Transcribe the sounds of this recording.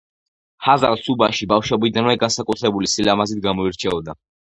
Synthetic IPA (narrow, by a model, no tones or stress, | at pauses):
haza̰lsubaʃibafʃɔbid̪anvɛɡansakʼut̪ʰɾɛbulisilamazid̪̚ɡamɔiɾt͡ʃʰɛɔd̪a